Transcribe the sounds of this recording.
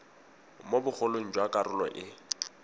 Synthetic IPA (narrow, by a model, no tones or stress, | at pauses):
mobʊk͡xʰolon̩d͡ʒwakʼarʊlɔ̰ʔɪ